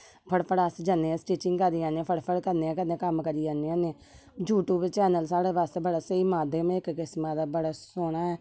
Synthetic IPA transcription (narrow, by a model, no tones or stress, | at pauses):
pʰəɽpʰəɽasd͡ʒaːnːẽːɛ̃ːsʈiːt͡ʃɪŋɡkəɾd̪iãːneɛ̃ːpʰəɽpʰəɽkəɾneːɛ̃ːkəd̪ẽːkəmkəɾiːaːneãːnẽː | d͡ʒuːʈuːbt͡ʃɛːnəlsaːɽeːbaːst̪eːbəɽaːsəiːmãːd̪eːm̃ɪkkɪsmãːd̪aːbəɽaːsoːɽ̃aːɛː